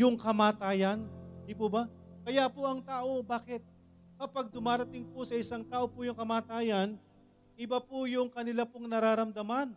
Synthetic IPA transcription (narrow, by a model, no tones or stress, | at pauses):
jʊŋkɐmaːt̪aːjɐnd̪ipʊbɐkɐjapoʔɐŋt̪aːʔo̞baːkɪt̪̚ | kɐpaɡ̚d̪ʊmaːɾɐt̪ɪŋpʊsɐɪsaŋt̪aːʔopʊjʊŋkɐmaːt̪aːjɐn | ʔɪbapʊjʊŋkɐnɪlapoŋnɐɾaːɾɐmd̪ɐman